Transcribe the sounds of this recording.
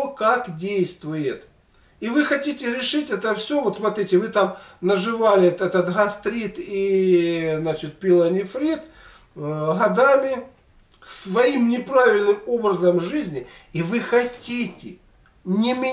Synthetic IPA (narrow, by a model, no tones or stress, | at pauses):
kakdʲejst̪vʊjɪt̪ | ivɨxɐtʲitʲɪɾʲɪʂɨtʲɛt̪əfsʲovot̪smɐt̪ɾʲitʲɪvɨt̪amnəʐɨvalʲɪt̪ɛt̪ət̪ɣɐst̪ɾʲit̪i | znat͡ɕɪt̪̚pʲɪlˠənʲɪfɾʲit̪ | ɦɐd̪amʲɪ | svɐimnʲɪpɾavʲɪlʲnɨmo̞bɾɐzəmʐɨzʲnʲɪivɨxɐtʲitʲɪ | nʲɪmʲɪ